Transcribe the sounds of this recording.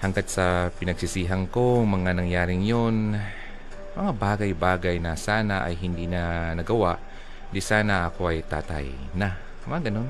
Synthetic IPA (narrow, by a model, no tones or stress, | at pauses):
hɐŋɡat̪̚sɐpɪnɐɡ̚sɪsiːɦɐŋkoŋmɐŋanɐŋjaːɾɪŋjon | mɐŋabaːɡɐjbaːɡajnɐsaːnaʔa̰jɦɪnd̪inɐnɐɡɐwaʔ | d̪ɪsaːnaʔɐkoʔɐjt̪a̰ːt̪a̰j | na | mɐŋaɡɐno̞n